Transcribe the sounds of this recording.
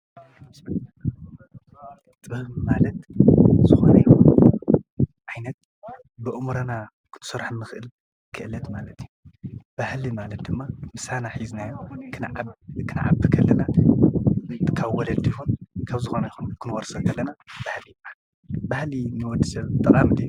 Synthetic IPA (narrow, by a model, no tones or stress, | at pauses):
t̪bɨmalɐt̪zɨxonɐjixun | ʕajnɐt̪̚ | bɨʔɨmɾɐna | kʰɨ̥t̪ʰɨ̥sɐɾħnːɨxɨʔɨl | kʰɨʔɨlɐt̪malɐt̪ʰjub̥ahlimalɐt̪̚d̪ɨmːamɨsanaħiznajokʰɨnkʰɨna̰ʕa̰bɨkʰɐlːɐna | kʰaβwɔlɐd̪ijhunkʰaβzɨxonɐjixunkʰɨnwoɾsɐkʰɐlːɐnab̥ahlijma | bahlinɨwɔd̪ːisɐβt̪ʼɐkʼamɨd̪iju